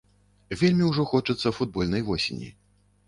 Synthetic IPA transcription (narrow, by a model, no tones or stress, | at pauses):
vʲelʲmʲiwʐɔxɔt͡ʂɐt̪sːɐfud̪̚bɔlʲnɐjvɔsʲḛnʲḭ